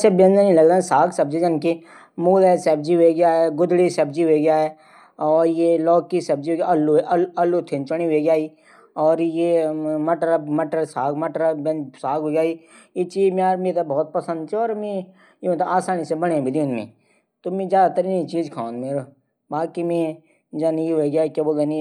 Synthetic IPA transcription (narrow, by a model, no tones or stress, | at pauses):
sebẽnẽnĩlɐɡd̪aːsaːɡsɐb̚d͡ʒid͡ʒɐnke | muːlɛsɛːb̚d͡ʒiɦeeɡjaɦɛɡʊd̪ɽisɐb̚d͡ʒiɦoɡjaɦɛ | ɔːɾjelɔːkːisɐb̚d͡ʒiɦoɡaɐlːuʔlɐlːut̪ʰɪ̃nt͡ʃəɽ̃iɦeɡjaːiː | ɔːɾjemɐʈəɾmɐʈəɾsaːɡmɐʈəɾbɛ̃nsaːɡɦoːɡjaːi | jet͡ʃiːd͡ʒmẽaːɾmeːt̪abɔːt̪̚pɐsə̃nd̪t͡ʃʰiɔːɾmẽ | jemt̪baːsaːnisebɐɽ̃ẽbʱid̪ɪnmḛ̃ | t̪omẽd͡ʒjaːd̪at̪ɐɾiːnit͡ʃiːd͡ʒkʰãːnd̪meːɾo | baːkimẽ | d͡ʒanjiɦoɡjaːkeboɡɐni